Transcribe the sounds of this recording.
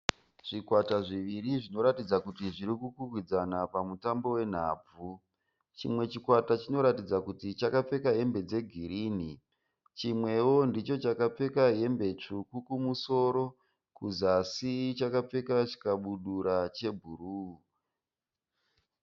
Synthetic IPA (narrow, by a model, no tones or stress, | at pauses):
ʐ̥ikwataʐiʋiriʐino̞ɾatid͡zakutiʐiɾikukukwid͡zanapamutambo̞we̞n̤aːb͡vu | t͡ʃḭmwe̞t͡ʃikwatat͡ʃino̞ɾatid͡zakutit͡ʃakap͡fe̞kaɦe̞mbe̞d͡ze̞ɡʱiɾiːni | t͡ʃimwe̞wo̞ndit͡ʃo̞t͡ʃakap͡fe̞kaɦe̞mbe̞t͡ʂukukumuso̞ːɾo̞ | kuzasit͡ʃakap͡fe̞kat͡ʃi̥kaɓuɗuɾat͡ʃe̞bʱuruu